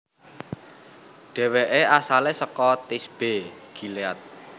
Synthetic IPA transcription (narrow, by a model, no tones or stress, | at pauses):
ɖ̥ɛ̤weʔeasalesəkɔt̪isb̥e̤ɡ̥i̤leat̪̚